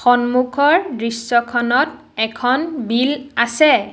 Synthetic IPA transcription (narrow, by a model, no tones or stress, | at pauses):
xɔnmukʰɔɹdɹisːɔkʰɔnɔt̚ | ɛkʰɔnbilasɛ